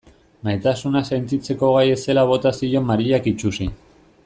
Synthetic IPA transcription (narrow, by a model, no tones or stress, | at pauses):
majt̪asunase̞nt̪it͡se̞ko̞ɣ̞aje̞se̞laβ̞o̞t̪asio̞maɾiʎakit͡ʃusi